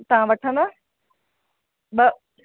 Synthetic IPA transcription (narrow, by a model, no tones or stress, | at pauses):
t̪ɐʋ̤ãʋɐʈʰə̃nd̪aː | bɐ